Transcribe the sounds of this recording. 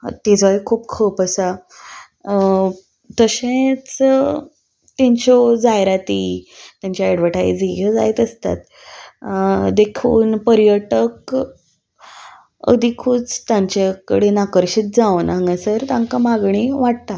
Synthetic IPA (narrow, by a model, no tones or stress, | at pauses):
t̪ed͡zʋaikʰuːpkʰəpəsa | t̪əɕẽt͡s | t̪aɲt͡ɕɔd͡zajɾat̪it̪jãɲt͡ɕjaeɽʋəʈʰaḭd͡ziɡʱəd͡zaet̪əst̪a̰t̪ | d̪ekʰuːnpəɾjəʈək | ə̰d̪ʱikʰuːt͡st̪jãɲt͡ɕakəɽenakəɾɕiːt̪̚d͡zaʋnãŋɡasəɾt̪ãŋkamaɡɳ̃iʋaʈ̚t̪a